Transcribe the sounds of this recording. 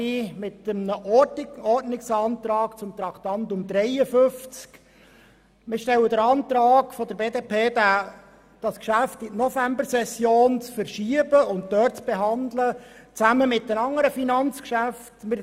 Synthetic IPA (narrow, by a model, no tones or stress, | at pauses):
imɪtəmnəʔɔrtnɪksɑːnt̪ɾɑːkt͡sʊmt̪ɾɑkt̪ɑnt̪ʊmd̥̪ɾɛɪəfʏft͡sk | mɪʃtɛlːəd̪əɾɑnt̪ɾɑːɡ̥fɔd̥̪əɾbeːdeːpʰeːdæ | d̥ɑskʃæftɪtnɔfæmbəsɛsjoːnt͡sfəɾʃiəbəʊnt̚d̪œːt͡sb̥eɦɑnd̪lət͡sæməmɪt̚dənɑŋːəɾəfinɑnt͡skʃæftmɪɾ